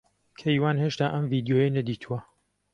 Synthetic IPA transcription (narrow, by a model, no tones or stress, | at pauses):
kʰejwaːnɦheːʃt̪aːʔɐmviːd̪joːjenɐd̪iːt̪ʰuwɐ